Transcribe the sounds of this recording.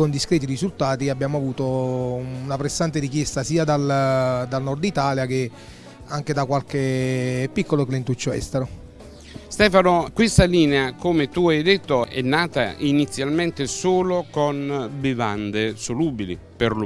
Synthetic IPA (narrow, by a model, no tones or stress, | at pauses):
kond̪iskɾɛːt̪̬irizult̪aːt̪iabjaːmoavuːt̪o | unapɾesːant̪eɾik̟jɛst̪asiːad̪ald̪alnɔrd̪it̪aːljak̟e | aŋk̟ed̪akwalkepːikːoloklent̪ut͡ʃːoɛ̰st̪eɾo | st̪ɛːfanokwɪst̪aliːneakomet̪uajd̪et̪ːoɛ̰nːaːt̪a̰init̪sːjalmɛnt̪esoːlokonbiva̰nd̪esoluːbilḭ | peɾl